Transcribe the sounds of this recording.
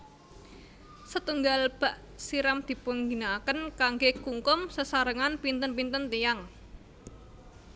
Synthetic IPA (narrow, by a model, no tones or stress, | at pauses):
sət̪uŋɡalb̥a̤ʔ | siɾamd̪̥i̤puŋɡi̤nakənkaŋɡekuŋkʊmsəsaɾəŋanpint̪ənpint̪ənt̪ijaŋ